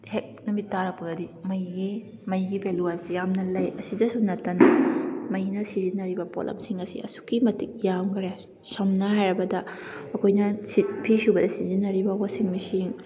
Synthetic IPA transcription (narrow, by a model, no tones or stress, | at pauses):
hek̚numitːaɾɐpɐɡɐdimɐjɡi | mɐjɡibʱeluɐnsjamnɐlɐjɐsidɐsunɐtːɐnɐmɐjnɐsizinɐɾibɐpo̰lʔɐ̰msiŋɐsḭʔɐ̰su̥kimɐtik̚jamɡɾja | sɐmnɐɦajɾɐbɐdɐɐkʰojnɐsipʰisiwbɐdɐsizinɐɾibɐwasiŋmisiŋ